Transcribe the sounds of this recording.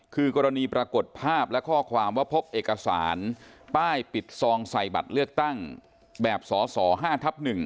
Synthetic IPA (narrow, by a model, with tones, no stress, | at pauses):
kʰɯː˧kɔː˧ɾa˧niː˧pɾa˧ko˨˩t̪̚pʰaː˥˩p̚lɛ˦˥kʰɔː˥˩kʰwaː˧mwaː˥˩pʰo˦˥p̚ʔeː˨˩ka˧sa̰ː˩˦npaː˥˩jpi˨˩t̪̚sɔː˧ŋsa˨˩jba̰˨˩t̪̚lɯ˥˩ək̚t̪a˥˩ŋ | bɛː˨˩p̚sɔː˩˦sɔː˩˦ɦaː˥˩t̪ʰa˦˥p̚nɯ˨˩ŋ